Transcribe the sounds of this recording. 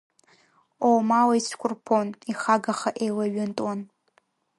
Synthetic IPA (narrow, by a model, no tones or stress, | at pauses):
owmawaisʷʰkʷʰʼʊrpʰoniχaɡaχaʔejwaɥɪntʼwan